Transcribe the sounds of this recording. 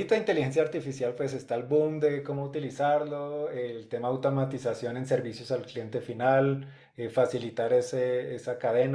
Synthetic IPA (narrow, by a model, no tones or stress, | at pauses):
it̪oðint̪e̞lixe̞nsjaɾt̪ifisjalpwe̞s̬e̞st̪albumd̪e̞ko̞mout̪ilisaɾlo̞elt̪e̞maawt̪o̞mat̪isasjo̞ne̞nse̞ɾβisjo̞salklje̞nt̪e̞final | efasilit̪aɾeseesakaðe̞n